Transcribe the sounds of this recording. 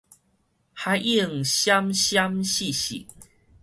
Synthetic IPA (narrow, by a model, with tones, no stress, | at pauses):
ha˨˦jʔi˥˩ŋɕja˦mɕja˦mɕi˥˨ɕḭ˨˩